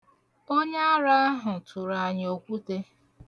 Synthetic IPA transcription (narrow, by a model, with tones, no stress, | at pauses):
o˦ɲa˦a˦ɾa˦a˦ɦʊ˨tʰʊ˨ɾa˨ɲo˨kʷu˦te˦